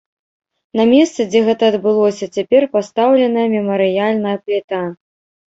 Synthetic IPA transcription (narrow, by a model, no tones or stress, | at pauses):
nɐmʲɛst̪sɨd͡zʲɛɣɛt̪ɐːd̪bɨlˠɔsʲɐt͡sʲapʲɛrpast̪awlʲɛnɐjɐmʲɛmɐɾɨjalʲnɐjɐplʲɛt̪a